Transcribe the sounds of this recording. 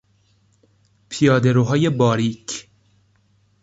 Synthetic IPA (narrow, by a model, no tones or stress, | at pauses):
pʰijɑːd̪eɾoɦɑːjebɒːɾiːk